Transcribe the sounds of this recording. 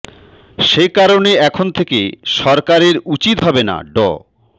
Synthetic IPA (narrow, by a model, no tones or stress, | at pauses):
ʃekaɾoneɛkʰont̪ʰekeʃɔɾkaɾeɾut͡ɕit̪ɦɔbena̰ɖɔ̰